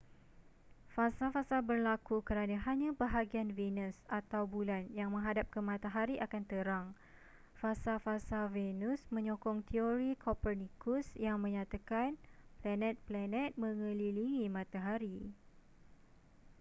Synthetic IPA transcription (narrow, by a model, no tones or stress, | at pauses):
fasafasabərlakukəɾanãɦaɲãbəɦaɡianvenəsat̪awbulanjaŋmə̃ŋɦadap̚kəmãt̪aɦaɾiʔakant̪əɾaŋ | fasafasavenusmə̃ɲɔkɔŋt̪ʰioɾikʰɔpərnikusjaŋmə̃ɲãt̪akanplanɛ̃t̪̚planɛ̃t̪̚mə̃ŋə̃liliŋimãt̪aɦaɾi